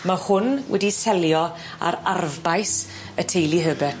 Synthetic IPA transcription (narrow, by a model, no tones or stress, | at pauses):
mahʊnwʔɛ̰disɛljɔ | a̰ɾarvbajs | ətʰejlˠiɦəbɛ